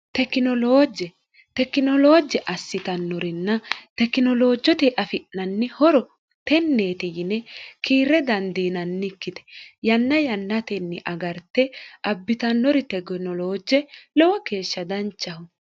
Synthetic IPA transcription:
t̪ɛkːɪnɔloːd͡ʒːɛ | t̪ɛkːɪnɔlo̞ːd͡ʒɛʔɐsːɪt̪ɐnːɔɾɪnːɐt̪ɛkːɪnɔlo̞ːd͡ʒːɔt̪ɛʔɐfɪʔnɐnːɪhɔɾɔ | t̪ɛnːe̞ːt̪ɪjɪnɛkiːɾːɛd̪ɐnd̪iːnɐnːɪkːɪt̪ɛ̥jɐnːɐjɐnːɐt̪ɛnːɪʔɐɡɐɾt̪ːɛʔɐbːɪt̪ɐnːɔɾɪt̪ɛɡnɔlo̞ːd͡ʒːɛlɔwɔke̞ːʃːɐd̪ɐnt͡ʃːɐhʊ

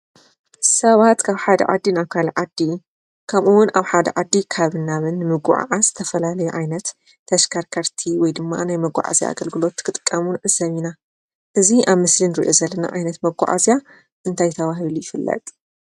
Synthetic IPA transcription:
sɐβat̪kʰaβħad̪ɐ̰ʕa̰d̪ːinaβkʰalʕad̪ːi | kʰɐmʔuwʊnaβħad̪ɐ̰ʕad̪ːikʰaβɨnːaβɨnːɨmɨɡṵʕa̰ʕaz̥ɨt̪ʰɐfɐlalɐjuʕajnɐt̪ʰː | ɐʃkʰaɾkʰɐɾt̪ʰiwɔjd̪ɨmːa̰najmɐɡʷa̰ʕa̰zja̰a̰ɡɐlɡɨlo̞t̪ːkʰɨt̪ʼɨkʼːɐmunʔɨzɐβina | ʔɨziʔaβmɨslinɨɾḭʔo̞zɐlːɐna̰ʔajnɐt̪mɐɡʷa̰ʕa̰zija | ʔɨnt̪ʰajɪt̪ʰɐβaɦilujɪfɨlːɐ̰t̪ʼ

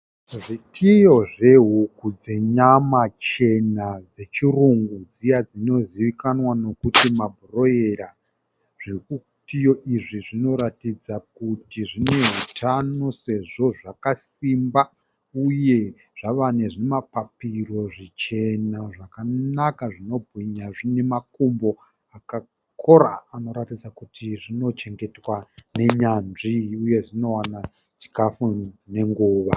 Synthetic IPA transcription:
ʐitʰijo̞ʐe̞ɦukud͡zeɲamat͡ʃe̞nad͡ze̞t͡ʃiruŋɡud͡zijad͡zino̞ziʋikanwano̞kutimabʱuro̞je̞ɾa | ʐ̥eku | tijo̞ʔiʐiʐino̞ɾatid͡zakutiʐine̞ɦutʰano̞se̞ʐo̞ʐakas | imba | uje̞ | ʐ̥aʋaneʐinemapapiro̞ʐit͡ʃe̞naʐakanakaʐino̞bʱɣiɲaʐine̞makombo̞ | aka | kʰo̞ɾa̰ːno̞ɾatid͡zakutʰiʐino̞t͡ʃe̞ŋɡe̞twane̞ɲanʐiuje̞ʐino̞wana | t͡ʃi̥kafune̞ŋɡuːʋa

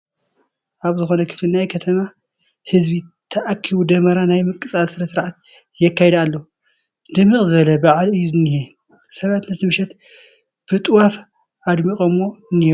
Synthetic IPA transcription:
ʔaβzɨxo̞nɐkʰɨ̥flinajkʰɐt̪ʰɐma | hɨzbit̪ʰɐʔakʰːiβud̪ɐmɐɾanajmɨkʼːɨt͡sʼalsɨɾɐsɨɾʕat̪ | jɛkːajɛd̪alːo | d̪̥ɨmːɨkʼzɨβɐlɐbaʕalɨjːuzɨnːihe | sɐβat̪nɐt̪ʰɨmɨʃɛt̪ | b̥ɨt̪ʼɨwaf | ad̪mikʼomːo̞ɨnːih

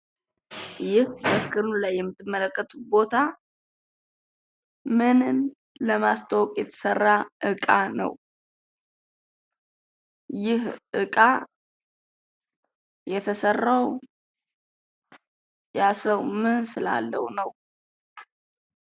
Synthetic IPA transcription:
jɪhbəskʰɨɾnulajːɛmːɨt̪ʰːɨmːələkʼːət̪ʼubo̞t̪ʰa | mɨnn | ləmast̪ʰəwɔkʼjɛt̪ʰə̥sərːaʔɨkʼanə̰w | jɪhʔɨkʼa | jɛt̪ʰəsərːaw | jasəwmɨnsɨla̰lːə̰wunəw

